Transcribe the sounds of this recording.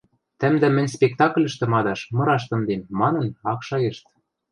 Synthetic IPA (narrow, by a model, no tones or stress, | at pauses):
t̪ɘ̆md̪ɘ̆mɘ̆nʲspʲek̚t̪ɑklʲɘ̆ʃt̪ɘ̆mɑd̪ɑʃmɤ̆ɾɑʃt̪ɤ̆md̪emːɑnɤ̆nɑkʃɑert̪